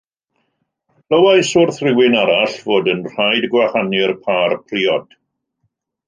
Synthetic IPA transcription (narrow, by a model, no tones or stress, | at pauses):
ləwajsʊrθrɪwɪnaɾaɬvoːdənr̥ajdɡwahanɪrpʰaːrpʰriːɔd̥